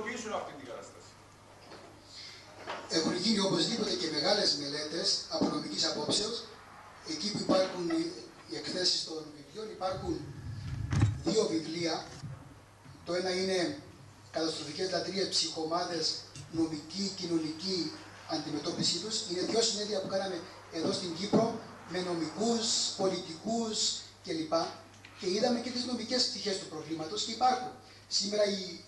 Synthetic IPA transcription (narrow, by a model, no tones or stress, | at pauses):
pisunɐft̪int̪iɡɐt̪ɐst̪ɐsi̥ | eɣunicinio̞po̞zðipo̞t̪e̞ce̞me̞ɣɐle̞zme̞le̞t̪e̞sɐpono̞micisɐpo̞pseos | e̞cipuipɐɾxun | ie̞kθe̞sist̪o̞nvivlio̞nipɐɾxun | ðio̞vivliɐ | t̪o̞e̞nɐine̞ | kɐt̪ɐst̪ɾo̞fice̞zlɐt̪ɾiespsixo̞ːmɐðe̞sno̞micicino̞nici | ɐnd̪ime̞t̪o̞pisit̪usine̞ðʝo̞sine̞ðiɐpukɐnɐme̞ː | ðo̞st̪iɲɟipɾo̞ | me̞no̞mikuspo̞lit̪ikusce̞lipɐ | ce̞iðɐme̞ce̞t̪izno̞micespt̪içe̞st̪upɾo̞vlimɐt̪o̞sce̞ipɐɾxun | sime̞ɾɐi